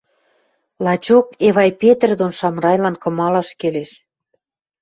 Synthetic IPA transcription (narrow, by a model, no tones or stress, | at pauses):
lɑt͡ɕokeβɑjpet̪rd̪onʃɑmrɑjlɑnkɤ̆mɑlɑʃkeleʃ